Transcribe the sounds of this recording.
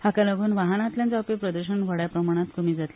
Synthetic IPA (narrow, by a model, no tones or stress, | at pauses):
hakaləɡuːnʋaɦanãt̪ljãnt͡sapepɾəd̪əɾɕənʋəɽjapɾəmaɽ̃at̪komiːd͡zat̪li